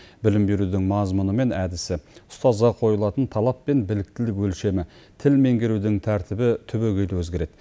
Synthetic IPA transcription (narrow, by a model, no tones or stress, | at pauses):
bɪlɪmbe̞ɾud̪ɪŋmɑzmʊnəme̞næd̪ɪsɪʊst̪ɑzʁɑqʰo̞jəlˠɑt̪ənt̪ʰɑlˠɑpːe̞nbɪlɪk̚t̪ɪlɪkwɵlʃe̞mɪ | t̪ʰɪlme̞ŋɡʲe̞ɾud̪ɪŋt̪ʰæɾt̪ɪbɪt̪ʰʏbeɡʲe̞jlwɵzɡʲe̞ɾe̞d̪̥